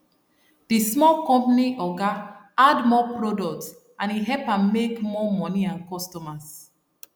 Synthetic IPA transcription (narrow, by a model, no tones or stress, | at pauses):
d̥ismɔlkɔ̃mpaniʔɔɡa | admɔpɹɔdɔk̚ts | ãniɦɛpãmekmɔmɔniãnkɔstɔmas